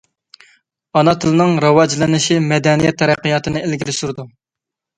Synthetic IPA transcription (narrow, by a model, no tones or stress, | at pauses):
ɑnɑt̪ʰɨlˠɨnɨŋɾɑwɑd͡ʒlɪnɪʃimɛd̪ɛnijɛt̪ʰːɛɾæqːijɑːt̪ʰɨnɨelɡʲilɪsuɾd̪u